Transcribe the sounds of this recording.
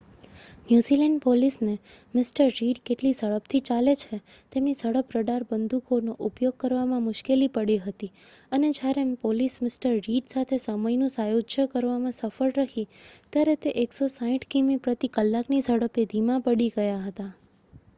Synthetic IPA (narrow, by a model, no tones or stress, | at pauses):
njuzilɛɳɖpolisne | mɪsʈəɾːiɖkeʈlisəɭəpt̪ʰit͡ʃalet͡ʃʰe | t̪emnisəɽəpɾəɖaɾbənd̪ʱukonoʔupjoɡ̚kəɾʋamãmʊʃkelipəɽiɦət̪i | əned͡ʒjaɾepolismɪsʈəɾːiɖsat̪ʰesəməjnũsajod͡ʒjəkəɾʋamãsəfəɭɾəɦit̪jaɾet̪eʔeksosãĩʈʰkimipɾət̪ikəlːaknisəɽəped̪ʱimãpəɽiɡəjaɦət̪a